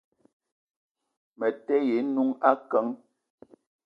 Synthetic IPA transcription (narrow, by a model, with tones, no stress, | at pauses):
mɛ˨tɛ˦je˨˦nu˦ŋa˦kə˨˦ŋ